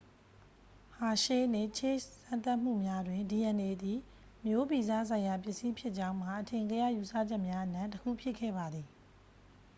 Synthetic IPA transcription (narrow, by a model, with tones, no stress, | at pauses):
ha˨ʃe˦˨ne˦˨t͡ɕʰe˦˨sã˦˨nt̪a˦ʔm̥ṵ˦˨mja˦dwɪ̃˨ndi˨ʔɛ̃˨ne˨d̪i˨ | mjo˦bi˨za̰˦˨sʰã˨ɪ̃ja˨pjɪ˦ʔsi˦pʰjɪ˦ʔt͡ɕã˦ʊ̃m̥a˨ʔətʰẽ˨ŋɡə˦ja̰˦˨ju˨sä̰˦˨d͡ʑɛ˦ʔmja˦ʔənã˦˨ntəkʰṵ˦˨pʰjɪ˦ʔkʰɛ̰˦˨ba˨d̪ði˨